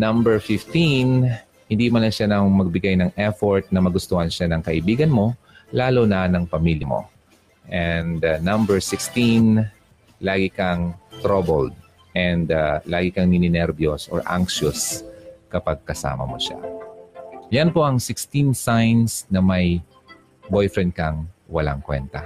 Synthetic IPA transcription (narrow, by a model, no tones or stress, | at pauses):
nɐmbɛɹfɪft̪in | hɪnd̪imɐnɐʃanɐŋmɐɡ̚bɪɡajnɐŋʔɛfoɹt̪̚nɐmɐɡʊst̪ohɐnʃanɐŋkɐʔɪbiːɡɐnmo̞ | laːlonɐnɐŋpɐmiljɐmo̞̰ | ʔɛnd̪nɐmbɛɹsɪkst̪in | laːɡɪkɐŋt̪ɾɐbold̪̚ | ʔɛnd̪laːɡɪkɐŋnɪnɪnɛɾbjosɔ̰ɹʔa̰ŋkʃʊskɐpaɡ̚kɐsa̰ːmɐ̰mo̰ʃa̰ | jɐnpo̞ʔɐŋsɪkst̪insajnsnɐmɐj | bojfɾɛnd̪̚kɐŋwɐla̰ŋkwɛ̰nt̪ɐ